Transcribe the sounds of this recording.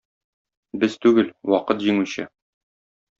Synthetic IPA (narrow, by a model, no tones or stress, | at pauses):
bɘz̥t̪ʉɡɘlwɒqɤt̪ʑiŋuɕɤ̰